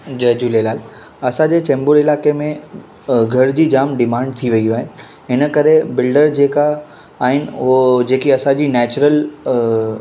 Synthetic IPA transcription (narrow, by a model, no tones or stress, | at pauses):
d͡ʑɐɦd͡ʑuːlelaːl | ɐsãd͡ʑeːt͡ɕɛ̃ːmbʊɾɪlaːkemẽ | ɡʱɐɾd͡ʑiːd͡ʑaːmɖɪmãːɳɖ̚t̪ʰiʋɐiuaːɦɪ | ɦɪnəkɐɾebɪlɖəɾd͡ʑeːkaː | ɦɪnɪʊɦod͡ʑeːkiɐsãd͡ʑiːnɛːt͡ɕʊɾəl